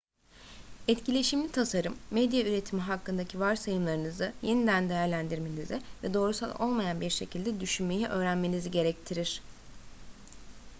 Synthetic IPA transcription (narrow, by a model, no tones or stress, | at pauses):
ɛt̪cilʲe̞ʃimlʲit̪ʰasaɾɯmːɛd̪jayɾe̞t̪ʰimiɦakːɯnd̪acʰivaɾsajɯmlˠaɾɯnɯzɯje̞nid̪ænd̪e̞jæɾlʲænd̪iɾme̞nizivɛd̪o̞ːɾusa̰lˠo̞̰lˠmajanbiɾʃe̞cʰilʲd̪ɛd̪yʃynme̞jiʔø̞ːɾænme̞niziɟe̞ɾɛc̚t̪ʰiɾiɾ̥